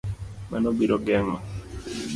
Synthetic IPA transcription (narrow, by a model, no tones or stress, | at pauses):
manobiɾɔɡɛŋma